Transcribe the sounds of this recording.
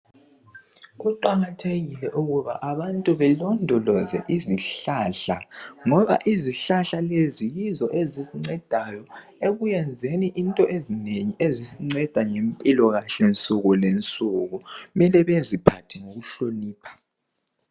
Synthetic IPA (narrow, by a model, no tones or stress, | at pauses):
ɣuǃaɣatʰeɣilɛʔuɣuβa̰ʔaβantʼuβɛlɔndʱɔlɔzɛ̰ʔiziɬaɬaŋɔβa̰ʔiziɬaɬalezijizɔʔezisiŋ͡ǀɛd̥ʱajɔ | eɣujɛnd͡zʱeniʔintʼɔʔezineŋiʔezisiŋ͡ǀɛd̥ʱaŋempʼilɔɣaɬɛnt͡sʼuɣulent͡sʼuɣumɛlɛβezipʰatʰɛŋoɣuɬoniːpʰḁ